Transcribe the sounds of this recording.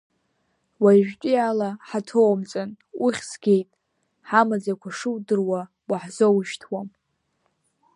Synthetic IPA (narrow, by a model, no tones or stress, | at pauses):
waʒᶣkʲʼialaħatʰowmt͡sʼan | ʊχʲsɡʲe̞jtʼ | ħamad͡zakʷʰaʂɨwdɨrwa | waħzowʃtʰwam